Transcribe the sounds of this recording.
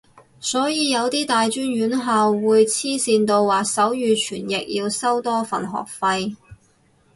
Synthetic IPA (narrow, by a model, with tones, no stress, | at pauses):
sɔː˨˥jiː˧jɐ˨˧wt̪iː˥t̪aː˨jt͡ʃyː˥njyː˨˥nɦaː˨˧wːuː˨˧jt͡sʰiː˥siː˧nt̪o˧wwaː˨k̚sɐ˨˥wjyː˨˧t͡ʃʰyː˨˩njɪ˨k̚jiː˧wsɐ˥wt̪ɔː˥fɐ̰˨˩nɦɔ̰ː˨k̚fɐ˧j